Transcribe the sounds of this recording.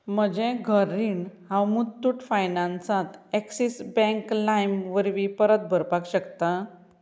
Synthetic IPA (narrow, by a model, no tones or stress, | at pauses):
m̤əd͡ʑẽɡʱəɾiɳhãwmut̪ːuːʈfajnãnsãt̪ɛksisbɛ̃ŋklajmʋəɾʋipəɾət̪̚bʱəɾpakɕəkt̪a